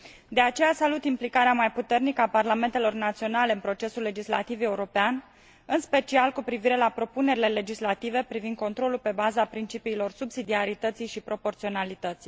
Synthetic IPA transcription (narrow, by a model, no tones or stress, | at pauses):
d̪e̞at͡ʃe̞jasalut̪implikaɾeamajput̪e̞rnikəaparlame̞nt̪e̞lo̞rnat̪sio̞nale̞ɨnpɾo̞t͡ʃe̞sulːe̞d͡ʒisla̰t̪ive̞uɾo̞pean | ɨnspe̞t͡ʃialkupɾiviɾe̞lapɾo̞pune̞ɾile̞le̞d͡ʒislat̪ive̞pɾivind̪ko̞nt̪ɾo̞lulpe̞bazapɾint͡ʃipiːlo̞rsubsid̪iaɾit̪ət̪sijʃipɾo̞po̞rt̪sio̞nalit̪ət̪si̥j